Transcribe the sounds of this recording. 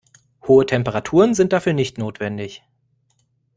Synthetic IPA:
hoːətʰɛmpəʁatʰuːʁənzɪnt̚d̥afyːɐnɪçtnoːtv̥ɛndɪç

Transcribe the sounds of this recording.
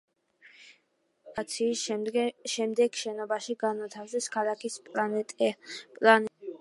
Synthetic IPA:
at̪sʰiː | ʃɛmd̪ɛɡʃɛnɔbaʃiɡanat̪ʰavzɛskʰalˠakʰispʼat̪ʼpʼlan

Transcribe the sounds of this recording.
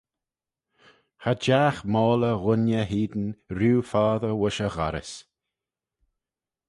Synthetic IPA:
had͡ʒaːxmɔːləɣʊnjəɦiːd̪ən̩ɾuːfaːðəɹwʊʃəɣa̰ɾɪ̰s

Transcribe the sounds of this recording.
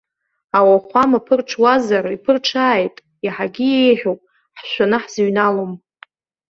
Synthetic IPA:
awaχʷamapʰɨrʈ͡ʂʰwazaɾipʰɨrʈ͡ʂʰaːjtʼ | iħaɡʲiejħᶣowpʼ | ħʃʷanɨħzɥnalom

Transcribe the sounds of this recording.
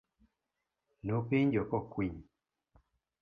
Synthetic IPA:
nopeɲd͡ʒɔkɔkwiɲ

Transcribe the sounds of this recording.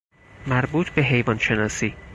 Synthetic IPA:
mæɾbuːt̪ʰbe̞ɦe̞jvɒːnʃe̞nɒːsiː

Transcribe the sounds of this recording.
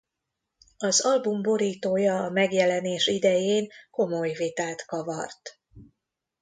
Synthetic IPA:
ɒzɒlbumbo̞ɾiːt̪oːjɒːmɛɡjɛlɛneːʃid̪ɛjeːŋko̞mo̞jvit̪aːt̪kɒvɒ̰rt̪

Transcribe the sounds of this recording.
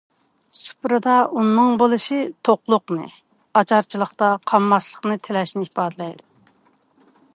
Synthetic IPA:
su̥pɾɨd̪ɑunːɨŋbolˠɨʃɨt̪ʰoqlˠʊqnɨ̰ | ɑt͡ʃɑɾt͡ʃʰilˠəχt̪ɑqʰɑmːɑslˠəχnɨt̪ʰelɛʃnɪipɑːd̪ɨlɛjd̪u

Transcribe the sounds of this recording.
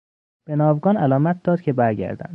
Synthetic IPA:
b̥enɒːvɡɒːnælɒːmæt̪̚d̪ɒːd̪̚cʰebæɾɟæ̰ɾd̪æ̰nd̪

